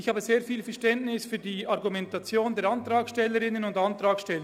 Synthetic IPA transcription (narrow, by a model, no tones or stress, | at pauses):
ɪçhaːbəzeːɐfiːlfɛɐʃtɛntnɪsfyːdiaʁɡumɛntat͡sjoːndeɛːɐɑntʁaːkʃtɛlːəɾɪnənʊndantʁaːkʃtɛlːə